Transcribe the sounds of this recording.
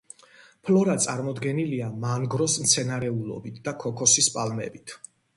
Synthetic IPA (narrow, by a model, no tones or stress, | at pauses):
pʰlɔɾat̪sʼaɾmɔd̪ɡɛniliamaŋɡɾɔsmt̪sʰɛnaɾɛulˠɔ̰bit̪ʰd̪akʰɔkʰɔsispʼalmɛ̰bit̪ʰ